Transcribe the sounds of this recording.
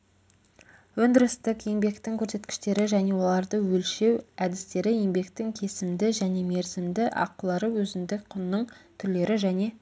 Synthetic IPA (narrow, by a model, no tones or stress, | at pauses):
wɵnd̪ɪɾɪst̪ɪkje̞ŋbe̞kt̪ɪŋkʲʰɵɾse̞t̪kʲɪ̥ʃt̪e̞ɾɪʒæne̞wo̞lˠɑɾd̪əwɵlʃe̞wæd̪ɪst̪e̞ɾɪje̞ŋbe̞kt̪ɪŋkʲʰe̞sɪmd̪ɪʒæne̞me̞ɾzɪmd̪ɪʔɑ̰qːəlˠɑɾəwɵzɪmd̪ɪkqʰːʊnːəɴt̪ʰʏɾle̞ɾɪʒæne̞